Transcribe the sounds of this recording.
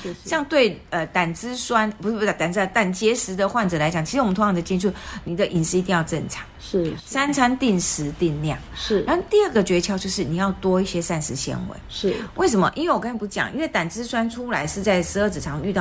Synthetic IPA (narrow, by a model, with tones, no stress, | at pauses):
ɕjɑ˥˧ŋt̪we˥˩ɪə˧t̪a˨˩nt͡sɹ̩˥swa˥npu˧˥ʂ̩˥˩p̪a˨˩t̪a˨˩n˥˧t̪a˥˨˩nt͡ɕjɛ˧˥ʂɻ̩˧˥d̪ə˨xwa˥˩nʈ͡ʂɤ˨˩la˧˥ɪt͡ɕjɑ˨˩ŋt͡ɕʰi˧˥˧mə˦t̪ʰo˧˥jɑ˧˥ŋd̪ə˨˩t͡ɕi˥nt͡sʰu˥˩ni˨˩d̪ə˨ʔi˨˩nɻ̩˧˥˧i˧˥i˥˧jɑ˥˧ʊʈ͡ʂə˥˩ŋʈ͡ʂʰɑ̥˧˥˦ŋʂ̩˥˩sa˥nt͡sʰa˥nt̪i˥˩nʂɻ̩˧˦t̪i˥˧nljɑ̰˥˩ŋ̩˥˩ɻa˧˥˧t̪i˥˧ə˥˩ɡə˩t͡ɕɥɛ˧˥t͡ɕʰjɑ˧˥ʊt͡ɕjo˥˧ʊʂɻ̩˥˩ni˨˩jɑ˥˩ʊt̪wɔ˥i˥˩ɕjɛ˥sa˥˩nʂɻ̩˧˥ɕjɛ̰˧˥nwḛ˧˦ɪʂ̩˥˩we˥˩ɪʂ̬ə˧˥mə̰˧ʔḭ˥nwe˥˩wɔ˨kə˥n˨˩pu˧˥t͡ɕjɑ̰˨˩ŋʔḭ˥nwe˥˩ɪt̪a˨˩nt͡sɹ̩˥swa˥nʈ͡ʂʰu˥la˧˥ɪʂɻ̩˥˧t͡sa˥˩ɪʂɻ̩˧˥ə˥˩t͡s̩˨˩ʈ͡ʂʰɑ˧˥ŋy˥˧t̪ɑ˥˨˩